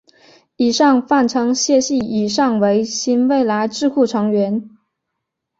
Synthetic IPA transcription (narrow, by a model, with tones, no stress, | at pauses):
i˨˩ʂɑ˥˧ŋfa˥˩nʈ͡ʂʰɤ˧˥ŋɕjɛ˥˧ɕi˥˩i˨˩ʂɑ˥˩ŋwe˧˥ɪɕi˥nwe˥˩ɪla˧˥ɪʈ͡ʂɻ̩˥˧kʰu˥˩ʈ͡ʂʰɤ˧˥ŋɥɛ˧˥n